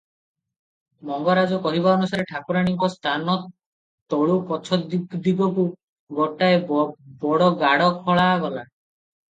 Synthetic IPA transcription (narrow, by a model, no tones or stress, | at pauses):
mɔŋɡɔɾad͡ʒɔkɔɦibaɔnusaɾeʈʰakuɾaɽ̃iŋkɔst̪ʰanɔt̪ː | ɔɭupɔt͡ʃʰɔd̪d̪iɡɔku | ɡɔʈaebɔɽɔɡaɽɔkʰɔɭaɡɔla